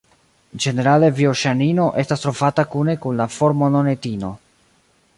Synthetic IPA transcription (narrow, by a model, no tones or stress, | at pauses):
d͡ʒe̞ne̞ɾale̞vioʃanino̞ʔe̞stastɾo̞vatakune̞kunlafo̞ɾmo̞no̞ne̞tino̞